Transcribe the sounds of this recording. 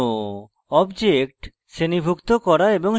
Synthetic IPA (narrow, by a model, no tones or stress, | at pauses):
o | ɔbd͡ʑek̚ʈ | ʃenibʱukt̪okɔɾaeboŋ